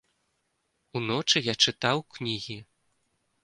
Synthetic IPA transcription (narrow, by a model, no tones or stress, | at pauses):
unɔt͡ʂɨjat͡ʂɨt̪awknʲiɣʲi